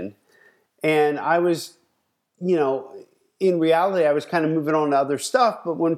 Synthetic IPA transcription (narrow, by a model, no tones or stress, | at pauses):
n | ɨ̃na̰ɪwʌz | jɨnoʊ | ɪ̃nɹiælˠəɾiaɪwʌz̥kʰãɪ̃ndɨmʉvɪ̃ŋə̃n̩ʌðə˞stʌfb̥ʌt̚wə̃n